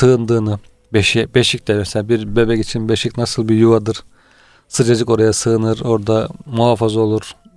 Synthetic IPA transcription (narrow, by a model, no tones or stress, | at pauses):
sɯːnd̪ɯːnɯ | beʃibeʃic̚ʲt̪ɛmɛselʲaːbiɾbø̞bɛcit͡ʃʰinbeʃicnasɯlˠbijuvad̪ɯɾ̥ | sɯd͡ʒad͡ʒɯko̞ɾajasɯːnɯɾo̞ɾd̪amuɦafazo̞lˠuɾ̥